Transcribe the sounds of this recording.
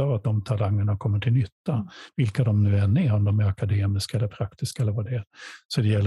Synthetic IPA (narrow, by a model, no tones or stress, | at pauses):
aɾat̪̚d̪ɔmt̪ʰalaŋːəɳakʰɔmːəʈʰɪlnʏt̪ːavɪlkad̪ɔmnʉ̟ːæmeːɔmd̪ɔmæɾakad̪eːmɪskaɛlːəɾpʰɾakt̪ɪskaɛlːəɾvad̪ɛɛsɔd̪ɛjɛlː